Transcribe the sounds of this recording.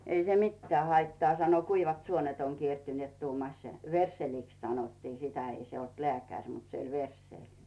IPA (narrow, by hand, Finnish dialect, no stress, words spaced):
ei se mitːĕæː hɑitːɑː sɑno kuiʋɑt suonet oŋ kiertyneːt tuːmɑsʲ ʋersːeliks sɑnotːiː sitæ ei se olt lĕæˑkærʲ mut se olʲ ʋersːeˑlʲ